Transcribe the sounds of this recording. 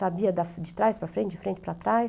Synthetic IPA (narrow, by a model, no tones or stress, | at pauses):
abiɐd̪ɐfd͡ʒɪt̪ɾajspɾɐfɾẽnt͡ʃd͡ʒɪfɾẽnt͡ʃɪpɾat̪ɾaj